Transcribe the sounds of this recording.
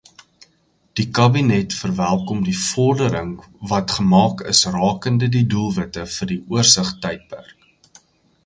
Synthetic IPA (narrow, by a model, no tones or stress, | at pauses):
d̥ikɐbinɛtfərvælˠkɔmdifɔrdəɾəŋ | vɐtχəmɑːkəsrɑːkəndədidulˠvətəfərdiuərsəχtɛjt̚pæ̰rk̚